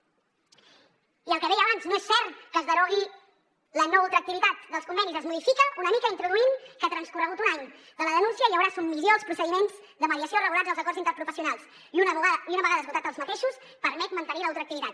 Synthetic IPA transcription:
iəlˠkəðɛjəβanznoesɛɾt̪kəzðəɾɔɣi | lənɔulˠt̪ɾək̚t̪iβit̪at̪̚d̪əlˠskumbɛnizəzmuðifikəʔunəmikəint̪ɾuðuimkət̪ɾənskurəɣut̪unaɲ | d̪ələðənunsiəjəwɾasummiljoəlˠspɾusəðimenz | d̪əməðiəsiorəɣulazðəlˠzəkɔrzint̪əɾpɾufəsiunalˠs | iuiunəβəɣaðəzβut̪at̪əlˠzmət̪eʃus | pəɾmɛt̪mənt̪əniləawˠt̪ɾək̚t̪iβit̪at̪

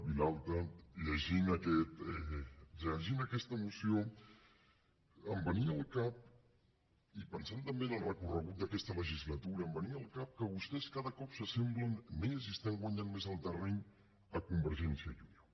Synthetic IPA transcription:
βilalˠt̪əʎəʒinəkɛt̪ɛrəəʒinəkɛst̪əmusio | əmbəniəlˠkap̚ | ipənsant̪əmbenəlˠrəkurəɣut̪̚d̪əkɛst̪ələʒizlət̪uɾəːmbəniəlˠkap̚kəβust̪ɛskaðəkɔpsəsɛmblənmezist̪aŋɡwaɲanmezəlˠt̪ərɛɲ | əkumbəɾʒɛnsiəʎunio

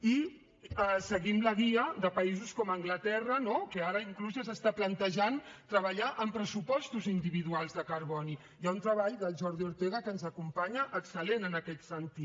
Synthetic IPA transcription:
i | ɛsəɣimləɣiəðəpəizuskɔməŋɡlət̪ɛrənokəaɾəiŋkluzəzəst̪aplənt̪əʒant̪ɾəβəʎaʔəmpɾəsupɔst̪uzind̪iβiðualˠzðəkəɾβɔni | jaunt̪ɾəβaʎd̪əlˠʒɔɾðiuɾt̪eɣ̞əkənzəkumpaɲəʔːksəlenənəkɛt̪sənt̪it

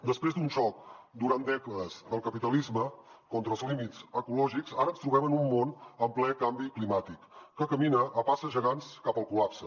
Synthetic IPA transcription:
d̪əspɾezd̪unʒɔk̚d̪uɾand̪ɛkəəz̥d̪əlˠkəpit̪əlizməkɔnt̪ɾəlˠzlimizəkulɔʒikzaɾənst̪ɾuβɛmənumːonəmplɛkambiklimat̪ikːəkəminəʔːpasəʒəɣanskapəlˠkulapsə

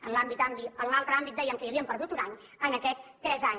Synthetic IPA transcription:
ənlambit̪ambiəlnalˠt̪ɾambit̪̚d̪ɛjəmkəjəβiəmpəɾðut̪unaɲ | ənəkɛt̪ːɾɛzaɲ

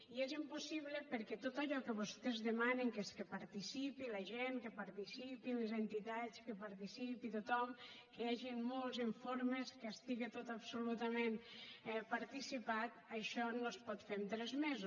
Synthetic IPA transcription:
iezimpusiβləpeɾkɛt̪ot̪aʎɔkəβust̪ezðemaniŋkeskepaɾt̪isipilaʒeŋkepaɾt̪isipilezent̪it̪at͡skepaɾt̪isipit̪ut̪ɔmkeaʒimmolˠziɱfoɾmeskast̪iɣet̪ot̪apsulut̪amẽnɛpaɾt̪isipat̪aʃɔnospɔt̪femt̪ɾɛzmezu

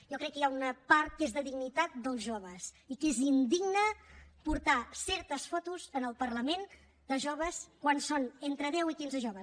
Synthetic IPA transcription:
jɔkɾɛkːəjaunəpaɾt̪̚kezðəðiɡnit̪at̪̚d̪əlˠzʒoβ̞əsikezind̪iɡnəpuɾt̪asɛɾt̪əsfɔt̪uzənəlˠpəɾləmen | d̪əʒoβəskwansonent̪ɾəðɛwikinzəʒoβəs

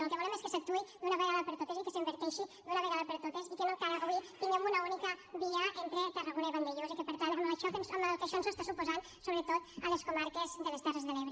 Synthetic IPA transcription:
elˠkeβolemeskesɐk̚t̪uid̪unaβeɣaðɐpeɾt̪ot̪esikeseimbeɾt̪ɛʃid̪unaβeɣaðɐpeɾt̪ot̪esikenok̪aɾaɣit̪eŋemunaunikɐbiaʔent̪ɾet̪əraɣoneβand̪eʎozikepeɾt̪anmaʃɔt̪ensomalkeaʃɔnsest̪asupozan | soβɾet̪ot̪əleskomaɾkezðelest̪ɛrezðeleβɾe

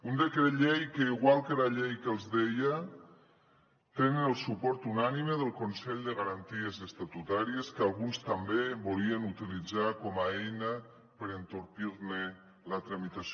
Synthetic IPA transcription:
und̪əkɾeʎejkəiɣwalˠkəlaʎejkəlˠzðeja | t̪enənəlˠsupɔɾt̪unaniməðəlˠkonsɛʎd̪əɣaɾant̪iəzəst̪at̪ut̪aɾiəskalˠɣunst̪ambeβoliənut̪ilid͡zakɔmaejnə | pəɾənt̪oɾpiɾnə | lət̪ɾamit̪as

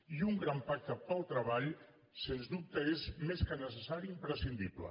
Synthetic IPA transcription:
iuŋɡɾampak̚t̪əpəlˠt̪ɾəβaʎ | senzd̪up̚t̪əezmeskənəsəsaɾiimpɾəsind̪iβlə̰

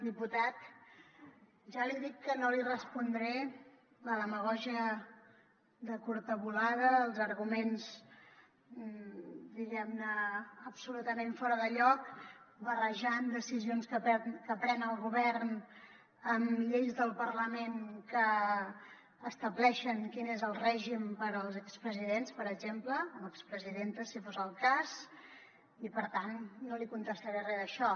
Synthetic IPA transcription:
d̪iput̪at̪̚ | ʒaliðikːənolirəspund̪ɾɛ | ləðəməɣɔʒiə | ðəkuɾt̪əβulaðəːlˠzəɾɣumenz | d̪iɣɛmnəːpsulut̪əmeɱfɔɾəðəʎɔk | bərəʒand̪əsizionskəpɛkəpɾɛnənəlˠɣuβɛrn | əmʎejzðəlˠpərləmenkə | st̪əβlɛʃənkinezəlˠrɛʒimpəɾəlˠzəkspɾəziðenspəɾəɡzempləməkspɾəziðent̪əsifozəlˠkaz | ipəɾt̪anːolikunt̪əst̪əɾarɛðəʃɔ

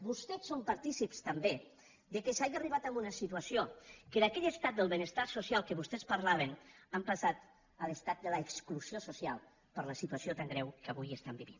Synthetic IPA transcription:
bust̪ɛsompaɾt̪isipst̪ambe | d̪əkesaʒiariβat̪ambunəsit̪uasiokəðakɛʎəst̪at̪̚d̪əlˠβənəst̪asusijalˠkəβust̪ɛspaɾlaβ̞ənampasat̪ | ələst̪at̪̚d̪ələeksklusiosusialˠ | pəɾləsit̪uasiot̪aŋɡɾɛwkəβujəst̪ambiβin

